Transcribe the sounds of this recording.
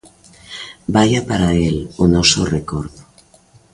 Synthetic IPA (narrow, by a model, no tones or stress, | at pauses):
bajapaɾaelonɔsorekoɾðo